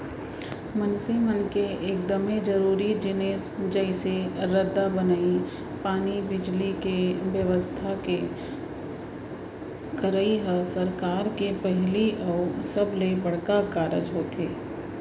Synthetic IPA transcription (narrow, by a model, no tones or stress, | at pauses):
mənsemənkeeːk̚d̪əmed͡ʒəɾuːɾid͡ʒɪneːsd͡ʒɛɪseɾəd̪ːabənaːi | paːnibɪd͡ʒlikeʋjəʋəst̪ʰake | kəɾaiɦasəɾkaːɾkepɛɦliʔɔsəblebəɽ̤kakaːɾə̰d͡ʒɦoːt̪eː